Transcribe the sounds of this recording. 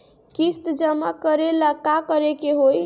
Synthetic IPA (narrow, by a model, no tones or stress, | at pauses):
kist̪d͡ʒəmakəɾelakakəɾekeɦoj